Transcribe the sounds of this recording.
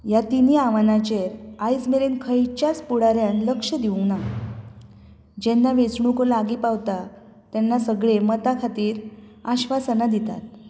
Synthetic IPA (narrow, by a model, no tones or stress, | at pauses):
jat̪iniaʋanat͡ɕeɾajsmeɾenkʰəjt͡ɕjat͡spuɽaɾjanləkʂəd̪iuŋɡna | d͡ʑenːaʋet͡sɳukolaɡiːpaʋt̪a | t̪janːasəɡɭemət̪akʰat̪iːɾaɕʋasanad̪it̪a̰t̪̚